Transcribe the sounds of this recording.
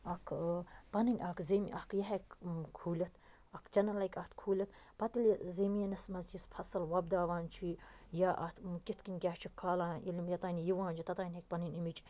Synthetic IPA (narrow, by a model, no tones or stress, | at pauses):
ɐkʰpɐninʲʔɐkzemiʔɐkʰjɐɦekkʰuːlʲɐt̪ | ɐkt͡ʃɐnɐlɐkʲɐt̪kʰuːlʲɐt̪pɐt̪ɨlzeːmiɐnɐsmɐzd͡ʒispʰɐsɐlwɐb̚d̪aːʋaːnt͡ʃʰiːjaʔɐ̰t̪kit̪ʰkinʲkʲaːht͡ʃʰikʰːaːlaːilimjɐt̪aːnʲjiʋãːnt͡ʃʰit̪ɐt̪aːnʲɦek̚pɐninʲimit͡ʃʰ